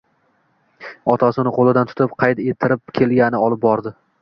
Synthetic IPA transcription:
ɒt̪ʰasɪnɪqʰolˠɪd̪ant̪ʰʊ̥t̪ʰɪpqʰɑjt̪e̞t̪ʰːɪɾɪpkʲʰe̞lɡʲanɪɒlɪp̚bɒɾd̪ɪ

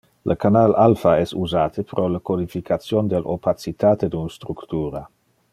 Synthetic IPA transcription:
lʔəkanalʔalfaɛsuzaːt̪ʰəpɾʔoləkod̪ifikʰat̪sjond̪elʔo̰pat̪sit̪aːt̪ed̪unst̪ɾukt̪uːɾa

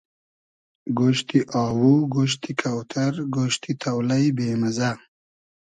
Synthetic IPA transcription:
ɡoʃt̪iʔɑːwuɡoʃ̬t̪ikʰawt̪ʰaɾɡoʃt̪ʰit̪ʰawlajbeːmaza

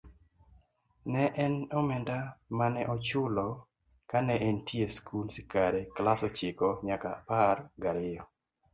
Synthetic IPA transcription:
nɛʔɛnɔmɛndamanɛʔɔt͡ʃʊlɔ | kanɛʔentieskʰulsikaɾeklasɔt͡ʃɪkɔɲakaparɡaɾɪjɔ

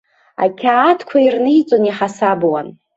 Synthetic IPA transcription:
a̰kʲʰaːtʰkʷʰairnɨjt͡sʷʼoniħasabwan

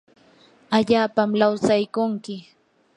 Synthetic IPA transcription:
aʎaːpamlawsajkʊŋkɪ

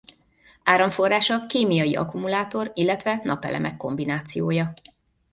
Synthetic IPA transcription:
aːɾɒɱfo̞rːaːʃɒkeːmijɒjiɒ̰kumulaːt̪o̞rilːɛt̪ʋɛnʔɒpɛ̰lʔɛ̰mɛkːo̞mbinaːt̪sijoːjɒ

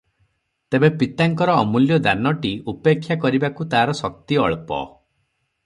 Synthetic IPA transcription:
t̪ebepit̪aŋkɔɾɔɔmuljɔd̪anɔʈiupekʰːjakɔɾibakut̪aɦaɾɔsɔk̚t̪iɔɭpɔ̰

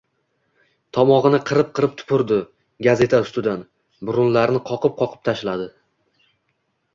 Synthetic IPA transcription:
t̪ʰɒmɒʁɨnɪqʰɨɾɪp̚qʰɨɾɪp̚t̪ʰʊ̥pʰʊɾd̪ɪ | ɡaze̞t̪ʰaʊst̪ɪd̪an | bʊɾʊnlaɾnɪqʰɒqʰɨp̚qʰɒqʰɨ̥p̚t̪ʰaʃlad̪ɪ

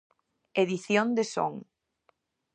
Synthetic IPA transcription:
eðiθjond̪eso̰ŋ

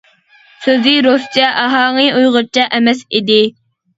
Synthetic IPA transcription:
søzɪɾost͡ʃʰɛʔɑɦɑːŋɨujʁəɾt͡ʃʰɛʔɛmɛsid̪ɪ

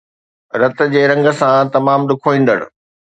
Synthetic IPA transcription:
ɾɐt̪̆ʰd͡ʑeːɾɐ̃ŋɡə̆sãt̪ɐmaːmɗ̪ʊkʰoːĩːn̆d̪ə̰ɽ̰̃̆

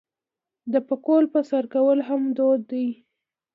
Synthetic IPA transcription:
d̪əpəkolpəsaɾkawəlɦamd̪od̪ːaj

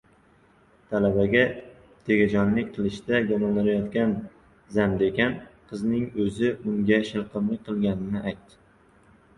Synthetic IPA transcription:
t̪ʰalabaɡʲa | t̪ʰe̞ɡʲad͡ʒɒnlɪk̚ʲqʰɨlˠɪʃd̪aɡʲɒmɒnːaɾajɒt̪kʲan | zamd̪ekʲanqʰɨznɪŋɵzɪʊŋɡʲaʃɪlˠqɨmlɪk̚ʲqʰɨlˠɡʲanɪnɪʔajt̪ːɪ̥

